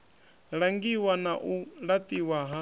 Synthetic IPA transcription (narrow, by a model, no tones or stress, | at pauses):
ɺaŋɡiwanaʔuɺat̪ʼiwaɦa